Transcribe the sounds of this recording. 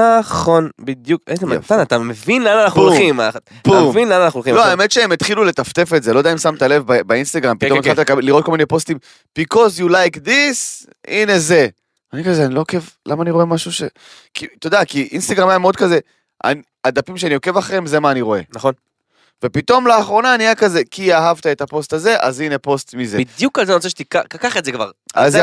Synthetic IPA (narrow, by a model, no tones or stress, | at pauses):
naχo̞nbid̪jukezematanat̪amevinlananaχnulima | buemvinlananaχulχilo̞aeme̞t̪ʃeemet̪χilule̞t̪aft̪e̞fe̞tzelo̞d̪aimsamt̪ale̞vbabainst̪aɡʁampitomt̪alt̪ilekabelːiʁot̚kominepo̞st̪im | b̥ikozjulajkd̪is | ine̞ze̞ | anikazeanilo̞oke̞vlamaːniʁo̞e̞maʃuʃe | kit̪o̞d̪akiʔinst̪aɡʁamajameo̞d̪̚kaze | ʔa̰ni | ad̪apimʃeanio̞ke̞vaχʁeimze̞maːniʁo̞e̞̰nχon | ve̞pit̪o̞mlaaːχʁo̞naniajakaze̞kiaɦavt̪aet̪apo̞st̪aze̞ʔa̰zine̞po̞st̪mized̪jukalzeant͡seʃet̪ikakakaχetzekva̰ʁa̰z